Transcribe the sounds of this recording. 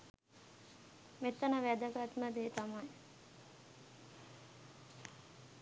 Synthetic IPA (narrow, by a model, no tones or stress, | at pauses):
met̪ːənəʋæd̪əɡat̪məd̪eːt̪amaj